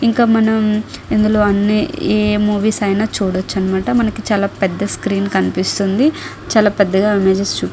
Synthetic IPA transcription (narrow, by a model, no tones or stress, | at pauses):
iŋkaːmɐnɐmind̪ulo̞ːɐnːieːmuːʋiːsɐjnaːt͡ʃuːɽot͡ʃːɐnimaːʈɐmɐnɐkit͡ʃaːlaːpɛd̪ːɐskɾiːnkɐnipist̪und̪i | t͡ʃaːlaːpɛd̪ːɐɡaːimeːd͡ʒest͡ʃuːp